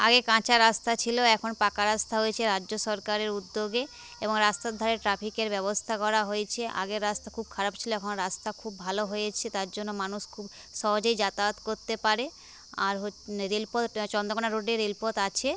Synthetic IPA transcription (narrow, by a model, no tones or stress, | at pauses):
a̰ɡekãt͡ɕaɾast̪ʰat͡ɕʰiloɛkʰonpakaɾast̪ʰaɦojet͡ɕʰeɾadːʑoʃɔɾkaɾeɾud̪ːoɡe | eboŋɾast̪ad̪ʱaɾeɾʈɾapʰikeɾbɛβost̪ʰakɔɾaɦojet͡ɕʰeʔa̰ɡeɾɾast̪ʰakʰub̚kʰaɾab̚t͡ɕʰiloɛkʰonɾast̪ʰakʰubːʱaloɦojet͡ɕʰet̪aɾd͡ʑonːomanuʃkʰub | ʃɔɦod͡ʑojd͡ʑat̪aot̪koɾt̪epaɾe | aɾɦoɾelpot̪t͡ɕɔnd̪okonaɾoɖeɾelpot̪at͡ɕʰe